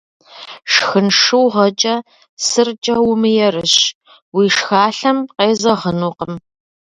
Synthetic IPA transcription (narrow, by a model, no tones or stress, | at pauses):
ʂxɨnʂɨwʁɐt͡ʃʼɐ | sɨrt͡ʃʼɐwʊmɨjɛrɨɕ | wiːʂxaːɬɐmqeːzɐʁənuːqəm